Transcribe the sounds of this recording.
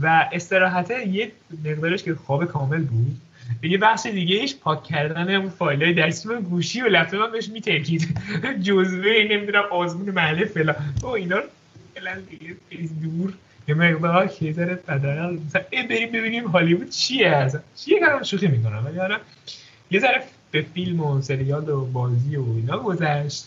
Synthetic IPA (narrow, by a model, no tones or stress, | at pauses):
væʔe̞st̪e̞ɾɒːɦæt̪ʰæje | meɣd̪ɒːɾeʃkʰexɒːbekʰɒːme̞lbud̪̥ | bejebæxʃed̪iːɟeiʃpʰɒːcʰːæɾd̪æneunfɒːilɛjed̪æst͡ʃimæɡuːʃiːvelæfzemæmbeeʃmiːt̪ʰæɾcʰiːd̪d͡ʒozvene̞mid̪unæmɒːzmuːnemæhlːefelɒoinɒːɾ | elænd̪iɡeeid̪uɾ | jemeɣd̪ɒɾɒkʰejezæɾepæd̪æɾælomæsænebe̞ɾimbe̞βinimɦɒːlibuːd̪̥̚t͡ʃʰijeæsænt͡ʃʰijekɒɾæmʃuximikonæ̰mvæliɒɾæn | je̞zæɾe | b̥efilmose̞ɾijɒːlobɒːziːoiːnɒːɡozæʃt̪